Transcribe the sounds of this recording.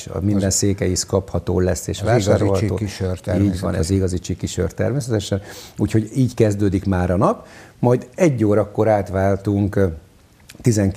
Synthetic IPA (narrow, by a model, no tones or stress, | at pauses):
mind̪ɛnseːkɛjiʃkɒphɒt̪o̰ːlɛsːeːʃvaːʃaːɾɾohtt̪oːʃiːɟʋɒ̰nɛ̰ziɡɒzit͡ʃikiʃø̰rt̪ːɛ̰rmeːsɛt̪ɛʃɛnuːcho̞ɟiːckɛzd̪øːd̪ikmaːɾɒnɒpmɒjd̪ɛɟːoːɾɒkːo̞ɾaːt̪ʋaːlt̪uŋk | t̪izɛŋ